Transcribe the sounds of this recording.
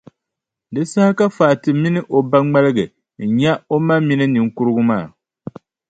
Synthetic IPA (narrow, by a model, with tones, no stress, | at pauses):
dɨ˨sa˦ha˦ka˦faː˨tɨ˨mi˦nɨ˦ʔo˨ba˦ŋ͡ma˦lɨ˦ɡɨ˨ | n̩˨ɲa˦o˦ma˦mi˦nɨ˦nɨ˨ŋ̩˦ku˦ɾɨ˦ɡʊ˦maː˦˨